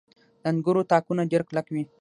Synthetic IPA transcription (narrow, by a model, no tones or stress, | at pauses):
lanɡuɾut̪aːkunad͡ʒəɾklakwi